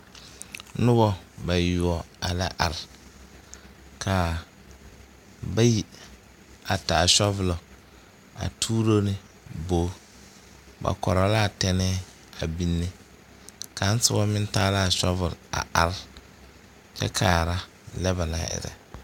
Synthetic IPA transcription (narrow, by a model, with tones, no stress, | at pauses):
nʊ˦bɔ˦ba˨jʊ˨ɔ˨ | a˨la˦ʔa˨ɾɪ˨ | kʰa˨ | ba˦ji˦ | a˨ta˨ʃɔ˦vʊ˨lɔ˨ | a̰˨tʰuː˦ɾo˦nɪ˦ | boː˨˦ | ba̰˨kɔ̰˨ɾɔ˨la˦˨tɛ˦nɛ˦ | a˨bi˦nːe˦ | ka˨˦n̩˦sʊ˦bɔ˦mɪ̃˦n˦taː˦la˦˨ʃɔ˦vʊ˨la̰˨ʔa˨ɾ | t͡ʃɛ̰˦kʰaː˨ɾa˦ | lɛ˦ba˨la̰˦ʔɪ̰˨ɾɛ̰˨